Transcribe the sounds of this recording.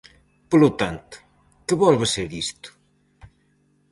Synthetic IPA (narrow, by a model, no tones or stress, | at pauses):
polʊt̪ant̪ʊ̥ | kɪβɔlβeseɾðist̪ʊ̥